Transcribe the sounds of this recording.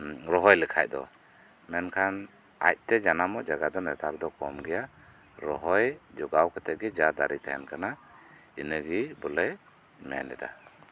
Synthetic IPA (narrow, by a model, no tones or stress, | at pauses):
ɾɔɦɔjlɯkʰa̰j̚d̪ɔ̰ | mɛnkʰan | a̰j̚t̪ɛd͡ʒanamɔʔd͡ʒaɡad̪ɔnɛt̪ʰaɾd̪ɔkɔmɡɛja | ɾɔɦɔjd͡ʒɔɡawkʰɛt̪ʰɛʔ̚ɡɛd͡ʒad̪aɾit̪ʰaɛnkʰana | inəɡibɔlə | mɛ̰nɛda̰